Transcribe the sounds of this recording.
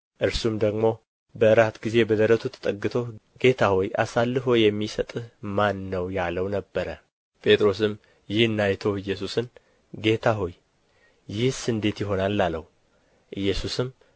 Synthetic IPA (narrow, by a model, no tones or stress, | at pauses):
ʔɨɾsumd̪əɡmo̞ | bəɨɾat̪ɡize̞bəd̪əɾət̪ʰut̪ʰə̥t̪ʼəɡːɨt̪ʰo̞ | ɡ̥e̞t̪ʰahoja̰salːɨfo̞jɛmːisət̪ʼmanːəwjaləwnəbːəɾə | pʼe̞t̪ʼɾo̞s̬ɨm | jɪhɨnːajt̪ʰoɨjːɛsusɨn | ɡe̞t̪ʰaɦo̞j | jɪhsɨnd̪e̞t̪jɪɦo̞nalːaləhu | ʔɨjːɛsusɨm